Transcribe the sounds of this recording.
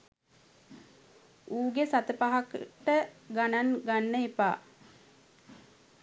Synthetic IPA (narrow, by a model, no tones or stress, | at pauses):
uːɡesat̪əpaɦakʈəɡananɡanːəipa̰ː